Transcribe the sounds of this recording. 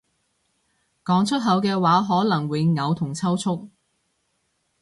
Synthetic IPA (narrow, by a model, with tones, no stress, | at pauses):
kɔː˨˥ŋt͡ʃʰɵ˥t̚ɦɐ˨˥wkɛː˧waː˨˥ɦɔː˨˥lɐ˨˩ŋwɪ˨˧˥ŋɐ˨˧wt̪ʰʊ˨˩ŋt͡sʰɐ˥wt͡sʰʊ˥k̚